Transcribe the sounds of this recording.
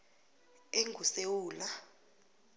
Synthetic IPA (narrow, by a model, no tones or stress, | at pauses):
eŋʱusewuːla